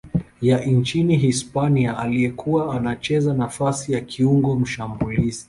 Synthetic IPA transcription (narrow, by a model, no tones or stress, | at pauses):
jaʔint͡ʃiniɦispaniaaliɛkʰuwaːnat͡ʃɛzanafasijakʰiuŋɡɔm̩ʃambulizi